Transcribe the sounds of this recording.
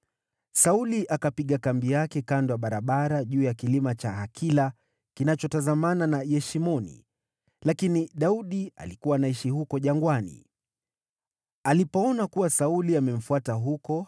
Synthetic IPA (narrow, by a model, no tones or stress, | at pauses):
sauliʔakapiɠakambijakɛkandɔaɓaɾaɓaɾaʄuːjakilimat͡ʃaɦakʰila | kinat͡ʃɔtazamananajɛʃimɔnḭ | lakiniɗauɗia̰likuwanaiʃihukɔʄaŋɡwanḭ | alipɔɔnakuwasauliamɛm̩fuataɦukɔ